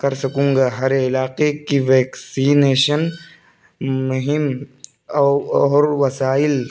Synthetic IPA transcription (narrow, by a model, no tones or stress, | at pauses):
kɐɾsɐkũːŋɡaːɦɐɾɪlaːqekiʋeːksiːneːʃən | mʊɦɪm | ɔːɾʋɐsaːɪl